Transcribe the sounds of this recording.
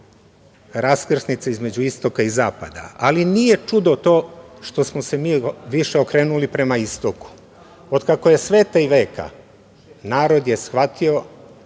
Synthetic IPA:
ɾaskr̩snit̪seizme̞d͡ʑuist̪o̞kaizaːpa̰d̪a̰alinije̞t͡ʃud̪o̞t̪o̞ːʃt̪o̞smose̞miːʋiʃeo̞kɾe̞ːnulipɾe̞maist̪o̞ku̥ | od̪kako̞je̞sʋe̞ːt̪aiʋe̞ːka̰ | naːɾo̞d̪je̞sxʋat̪ʰio̞

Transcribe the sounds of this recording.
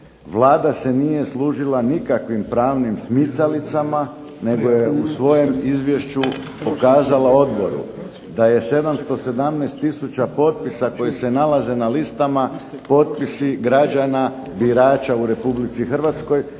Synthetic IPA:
ʋlˠaːd̪ase̞nije̞sluːʒilanikakʋimpɾaːʋnimsmit̪salit̪sama | ne̞ɡo̞je̞usʋo̞je̞mizʋje̞ʃt͡ɕupo̞kaːzalao̞d̪bo̞̰ɾṵ | d̪aje̞se̞d̪amst̪o̞se̞d̪amnɛːst̪ːisut͡ɕapo̞t̪̚pisako̞jese̞nalaze̞nalist̪amapo̞t̪̚pisiɡɾad͡ʒana | biɾaːt͡ʃauɾe̞publit̪sixr̩ʋat̪sko̞j

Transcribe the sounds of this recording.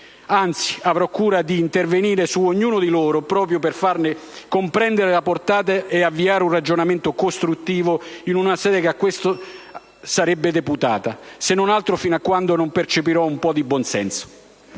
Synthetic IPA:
ant̪si̥avɾɔkːuːɾad̪iːnt̪erveniːɾesuoɲːuːnʊd̪iloːɾʊpɾɔːp̬ɾjoperfarnɪkompɾɛnd̪eɾɪlaport̪aːt̪̬aʔeavːiaːɾɪunrad͡ʒonament̪ʊkost̪ɾut̪ːiːvoinunasɛːd̪ekeakːwest̪ʊ | saɾɛbːɪd̪eput̪aːt̪asenːonalt̪ɾʊfinakːwand̪onompert͡ʃepiɾɔumpɔd̪ibwɔnsɛnso̥

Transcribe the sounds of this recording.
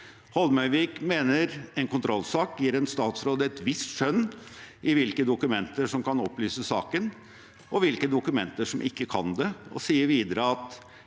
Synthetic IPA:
hɔlmœʏʋiːkmeːnəɾɛnkʰʊnt̪ʰɾɔlsɑːkjiːɾɛnst̪ɑːt̪sɾoːd̪əɛt̪ʋɪst̪ʂœnːʔɪʋɪlkəd̪ʊkʉmɛnt̪əʂɔmkʰɑnɔpːlyːsəsɑːkən | ʔɔʋɪlkəd̪ʊkʉmɛnt̪əʂɔmʔɪkːəkʰɑnd̪ɛɔ̰siːəɾʋiːd̪əɾəɑt̪

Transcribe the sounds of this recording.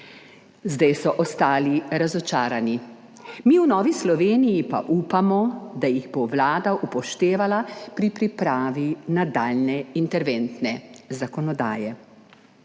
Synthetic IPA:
zd̪ajsɔʔɔst̪aːliɾazɔt͡ʃaːɾani | miunɔːʋislɔʋeːnijipa̰ʔuːpamɔd̪ajiɣboʋlaːd̪aʔupɔʃt̪eːʋalapɾipɾipɾaːʋinad̪aːlnɛint̪ɛɾʋent̪nɛzakɔnɔd̪a̰ːjɛ

